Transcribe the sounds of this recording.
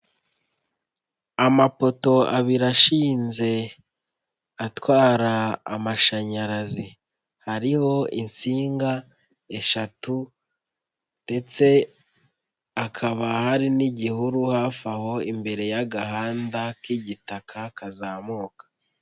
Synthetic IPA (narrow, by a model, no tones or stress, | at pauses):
amapo̞to̞a̰βiɾaʃiːnze̞ | atwaːɾa̰ːmaʃaɲaɾazi | haɾiho̞ḭnsiːŋɡa | e̞ʃatu | nde̞t͡se̞ | akʰaβahaɾiniɟihuɾuhafaho̞imbe̞ɾe̞jaɡaɦaːndakiɟitakʰakʰazaːmuːkḁ